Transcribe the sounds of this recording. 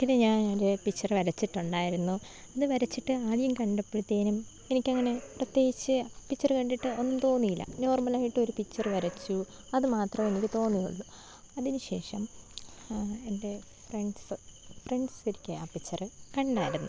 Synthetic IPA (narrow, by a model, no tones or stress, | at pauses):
kːɐneɲaːnoɾupit͡ɕːɐrʋɐɾɐt͡ɕːiʈːuɳɖaːjiɾunːu | ɐðɨʋɐɾɐt͡ɕːiʈːɨaːɭijɐmkɐɳɖepːeɽut̪ːeːnum | e̞nikʲːɐŋːɐne̞prɐt̪je̞ːɡit͡ɕːɨpːit͡ɕːɐrɨkɐɳɖiʈːɨo̞nːumt̪o̞ːnːijilːɐ̰no̞ːrmɐlaːjiʈːɨo̞ɾupit͡ɕːɐrʋɐɾɐt͡ɕːu | ɐðɨmaːt̪rɐme̞nikʲːɨt̪o̞ːnːijṵɭːu | ɐðinuɕe̞ːʂɐm | e̞nde̞freɳɖsfreɳɖsiɾikʲːɨaːpːit͡ɕːɐrɨkɐɳɖaːjiɾunːu